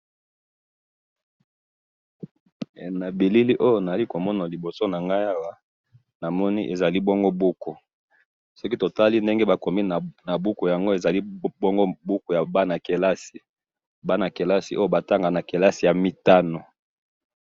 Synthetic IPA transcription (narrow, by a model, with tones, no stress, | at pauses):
na˨bi˨li˦li˦ʔo˦jo˦na˨a˨li˦ko˨mɔ˦na˨li˨bo˨so˦na˨ŋɡa˦ja˦wa˦ | na˨mɔ˦ni˦ʔe˨za˨li˦bɔ˦ŋɡo˦bu˦ko˨ | sɔ˦ki˦to˨ta˦li˦nde˦ŋɡe˦ba˨ko˨mi˦˨na˨bu˦ko˨ja˨ŋɡo˦e˨za˨li˦bɔ˦ŋɡo˦bu˦ko˨ja˨ba˦na˨ke˨la˦si˨ | ba˦na˨ke˨la˦si˨ʔo˦jo˦ba˨ta˦ŋɡa˨na˨ke˨la˦si˨ja˨mi˨ta˦no˨